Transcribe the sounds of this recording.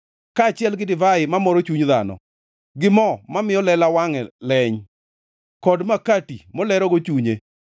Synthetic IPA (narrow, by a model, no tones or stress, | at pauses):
kaːt͡ʃɪɛlɡɪdɪvaɪmamɔɾot͡ʃuɲða̰nɔ̰ | ɡɪmɔmamɪjɔlɛlawaŋɛlɛɲ | kɔdmakatimɔlɛɾɔɡot͡ʃuɲe